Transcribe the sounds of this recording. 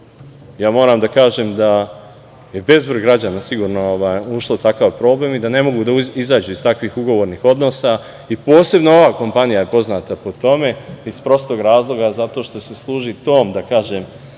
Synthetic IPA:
jaːmo̞ːɾamd̪akaːʒemd̪a | je̞be̞zbɾrɡɾad͡ʑanasiɡuːɾno̞oʋaːjuʃlˠout̪akaʋpɾo̞ːble̞ːmid̪ane̞mo̞ɡud̪aizaːd͡ʒuist̪akʋixuɡo̞ʋoɾnixo̞d̪no̞ːsa | ipo̞ːse̞bnoo̞ʋaːko̞mpanijaje̞po̞znat̪apo̞t̪o̞me̞ispɾo̞st̪o̞ɡɾaːzlˠo̞ɡazat̪o̞ʃt̪o̞se̞slˠuːʒit̪o̞ːmd̪akaːʒem

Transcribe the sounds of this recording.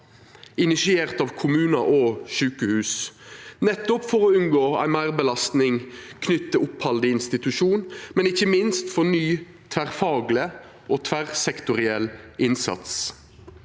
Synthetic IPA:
ɪnɪsɪeːʁt̪ɑːʋkʰʊmʉːnɑʔoːʃʉːkəhʉːsnɛt̪ːɔpfɔʁɔʉnɡoːæ̰ɪmæɪʁbəlɑst̪nɪŋkʰnʏt̪ːəʊphɑld̪əɪnst̪ɪt̪ʉʃuːnmɛnɪçːəmɪnst̪fɔʁnyː | t̪ʰʋæʁfɑːɡlə | ʔoːt̪ʰʋæʁsɛkt̪ʊʁɪɛlːʔɪnsɑ̰t̪s

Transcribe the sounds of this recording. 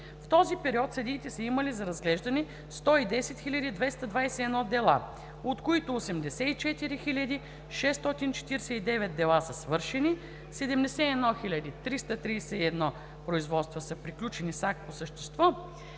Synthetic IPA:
ft̪ɔzipɛɾiɔt̪sɐd̪iːt̪ɛsɐimɐlizɐɾɐzɡlɛʒd̪ɐni | st̪ɔid̪ɛsɛt̪xilʲɐd̪id̪vɛst̪ɐd̪vajsɛɛːd̪nɔd̪ɛlˠa̰ | ot̪koit̪ʊːsɛmd̪ɛsɛit͡ʃɛt̪iɾixilʲɐd̪i | ʃɛst̪ɔt̪int͡ʃɛ̥t̪iɾɛsɛid̪ɛvɛt̪̚d̪ɛlˠasəsvɤɾʃɛni | sɛd̪ɛmd̪ɛsɛiɛd̪nɔxilʲɐd̪it̪ɾist̪ət̪ɾiːsɛiɛd̪nɔ | pɾoizvɔt̪st̪vosəpɾiklʲut͡ʃɛnisakposəʃt̪ɛ̥st̪vɔ

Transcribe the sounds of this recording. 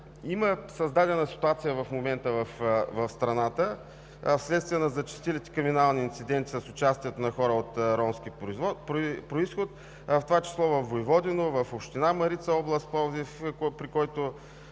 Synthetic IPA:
iməsɐzd̪ad̪ɛnəsi̥t̪uat̪sijəvɐfmomɛnt̪əvɐfvɐfst̪ɾɐnat̪ə | fslɛt̪st̪viɛnɐzɐt͡ʃi̥st̪ilʲit̪ɛ̥kɾiminalˠniːnt̪sid̪ɛnt̪ʲi̥səsʊt͡ʃast̪iɛt̪onɐxɔɾəot̪ɾɔmsk̟i | pɾoisxot̪ | ft̪ovat͡ʃi̥slˠɔvɐfːoivɔd̪ɛnovɐfopʃt̪inamɐɾit̪səɔblˠəst̪̚pɔzifpɾikɔjt̪o

